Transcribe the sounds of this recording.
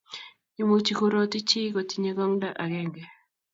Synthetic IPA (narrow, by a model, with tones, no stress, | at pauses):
ɲi˦mo˦t͡ʃi˨ku˦ɾo˦ti˦t͡ʃi˦ko˨ti˨ɲe˦ɡɔ˦ŋda˦ʔa˨ɡɛ˦ŋɡɛ˨